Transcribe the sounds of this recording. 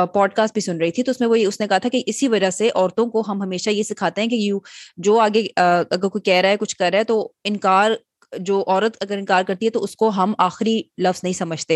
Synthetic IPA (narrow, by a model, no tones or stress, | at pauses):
pɔːɖ̚kaːsʈ̚bʱisʊnɾɐɦit̪ʰit̪oʊsmẽʋojeʊsnekɐɦat̪ʰakeʔɪsiʋɐd͡ʒaseʔɔːɾt̪õkoɦɐmɦɐmeːʃajesɪkʰaːt̪eɦɛ̃kejuːd͡ʒoːaːɡeɐɡəɾkoikɛːɾaɦɛkʊt͡ʃʰkɐɾːaɦɛt̪oɪ̃nkaːɾ | d͡ʒoːʔɔːɾət̪ɐɡəɾɪ̃nkaːɾkɐɾt̪iɦɛt̪oʊskoɦɐmaːxɪɾilɐfznɐɦĩsɐməd͡ʒʱt̪e